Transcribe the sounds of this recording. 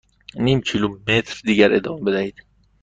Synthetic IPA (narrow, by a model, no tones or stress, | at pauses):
niːmcʰilumet̪ʰɾd̪iːɟæɾʔed̪ɒːmebed̪æhiːd̪̥